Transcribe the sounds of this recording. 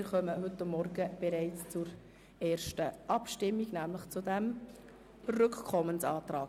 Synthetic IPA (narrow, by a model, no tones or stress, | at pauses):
ɪɾχœməɦɵt̪ːamːɔɾɡəb̥ɛɾæɪt͡st͡sʊɾ | ɛːɾʃtəʔɑpʃtɪmːiɡnæːmləχt͡sʊdæm | rʏkkʰɔmənsɑːt̪ɾɑːɡ